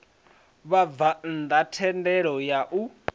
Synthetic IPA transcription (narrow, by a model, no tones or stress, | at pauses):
βavand̪atʰɛndɛɺɔjaʔu